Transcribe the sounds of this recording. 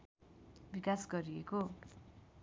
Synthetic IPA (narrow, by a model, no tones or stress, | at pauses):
bikasɡʌɾieko